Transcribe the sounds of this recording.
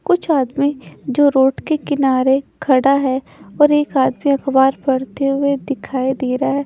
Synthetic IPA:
kʊt͡ʃʰaːd̪mĩd͡ʒoːɾoːʈkekɪnaːɾekʰɐɽaɦɛ | ɔːɾeːkaːd̪miɐxbaːɾpɐɽt̪eɦʊed̪ɪkʰaːid̪eːɾaɦɛː

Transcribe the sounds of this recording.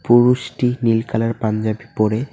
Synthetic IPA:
puɾuʃʈinilkʰalaɾpand͡ʑabipoɾe

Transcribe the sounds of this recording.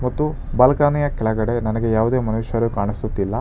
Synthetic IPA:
mɐt̪ːu | bɐlɐkaːnijɐkɛɭɐɡɐɽe̞nɐnɐɡe̞jaːʋud̪eːmɐnuːʃjɐɾukaːɳisut̪ːilːɐ

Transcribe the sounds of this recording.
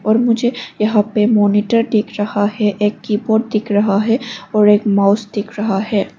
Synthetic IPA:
ɔːɾmʊd͡ʒʱejɐɦãpemɔːnɪʈəɾɖ̪ɪkʰɾɐhaɦɛʔeːkːiːbɔːʈ̚d̪ɪkʰɾɐɦaɦɛɔːɾeːkmaːʊsd̪ɪkʰɾɐɦaɦɛː

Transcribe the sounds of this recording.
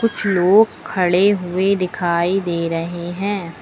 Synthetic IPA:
kʊt͡ʃʰloːɡkʰːɐɽeɦʊed̪ɪkʰaːid̪eːɾɐɦeɦɛ̃ː

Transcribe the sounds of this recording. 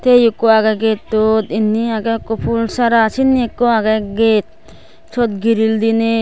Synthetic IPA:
t̪ejukːoaɡaɡet̪ːot̪inːiaɡakɔpʰulsaɾasinːiekːɔaɡaɡet̪̚ | t͡ʃʰɔt̪̚ɡiɾild̪ine

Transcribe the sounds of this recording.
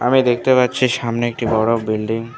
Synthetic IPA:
amid̪ek̚ʰt̪epat̪ːɕʰiʃamneek̚ʈibɔɽobilɖiŋ

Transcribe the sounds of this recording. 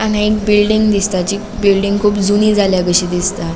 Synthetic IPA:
anaikbilɖiŋɡd̪ist̪at͡ɕiː | bilɖiŋɡkʰuːpd͡zunid͡zʱaljaɡəɕid̪ist̪a

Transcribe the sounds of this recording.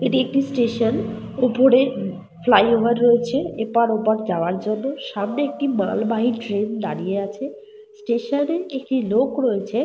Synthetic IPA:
eʈiek̚ʈisʈeʃon | opoɾe | flajoʋaɾːoet͡ɕʰeepaɾopaɾd͡ʑaoaɾd͡ʑonːoʃamneek̚ʈima̰lbaɦiʈɾend̪aɾieat͡ɕʰe | sʈeʃoneek̚ʈilokɾoet͡ɕʰe

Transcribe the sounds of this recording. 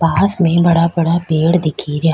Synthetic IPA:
paːsmẽbɐɽabɐɽabeːɽd̪ɪkʰiɾjaː

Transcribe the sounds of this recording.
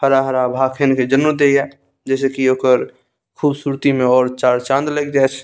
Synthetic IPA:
pʰəɾaɦəɾabʱaːkʰenked͡ʒənməd̪eiɛ | d͡ʒɛːsekioːkəɾ | kʰuːbsuːɾt̪imẽɔːɾt͡ʃaːɾt͡ʃãːnd̪leɡd͡ʒaːt͡ʃʰ

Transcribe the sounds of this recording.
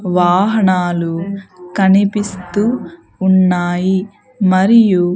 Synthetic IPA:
ʋaːɦɐɳaːlukɐnipist̪uː | nːaːji | mɐɾiju

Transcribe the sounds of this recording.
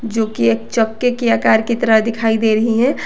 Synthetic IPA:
d͡ʒoːkieːk̚t͡ʃəkːekijaːkaːɾkit̪əɾad̪ɪkʰaːid̪eːɾɐɦiɦɛ̃ː

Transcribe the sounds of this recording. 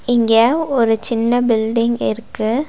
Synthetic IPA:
ɪŋɡeɔɾɯt͡ʃɪnːɐbɪlɖɪŋɡɪɾɯkːɯ

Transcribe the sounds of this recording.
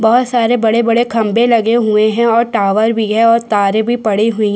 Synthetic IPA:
bɐɦʊt̪saːɾebɐɽebɐɽekʰɐ̃mbelɐɡeɦueɦɛ̃ɔːɾʈaːʋəɾbʱiɦɛ̃ɔːɾt̪aːɾẽbʱipɐɽiɦʊĩ

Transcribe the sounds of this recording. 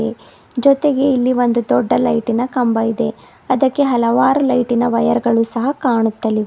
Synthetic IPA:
e | d͡ʒɔt̪eɡe̞ilːiʋond̪ud̪ɔɖːɐlɐjʈinɐkɐmbɐid̪e̞ | ɐd̪ɐkːe̞ɦɐlɐʋaːɾulɐjʈinɐʋɐjɐɾɡɐɭuːsɐɦɐkaːɳut̪ːɐli

